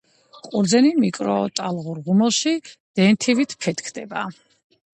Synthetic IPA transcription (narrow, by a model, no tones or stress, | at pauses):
qʼuɾd̪zɛnimikʼɾɔ̰t̪ʼalˠʁuɾʁumɛlˠʃid̪̥ɛnt̪ʰivit̪ʰpʰɛt̪kʰd̪ɛba